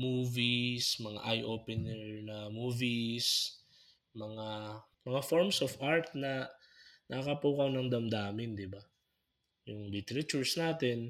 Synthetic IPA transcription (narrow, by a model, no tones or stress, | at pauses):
muːvismɐŋa̰ʔajʔoːpɛnɛɹnɐmuːvis | mɐŋa | mɐŋafoɹmsofʔaɹt̪̚nɐ | nʔɐkɐpuːkɐwnɐŋd̪ɐmd̪aːmɪnd̪ɪba | jʊŋlɪt̪ɛɾɐt͡ʃuɹsnaːt̪ɛn